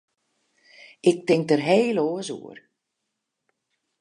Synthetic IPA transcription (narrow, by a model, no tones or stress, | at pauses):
ɪk̚tɪŋk̚tərɦeːloːəsṵər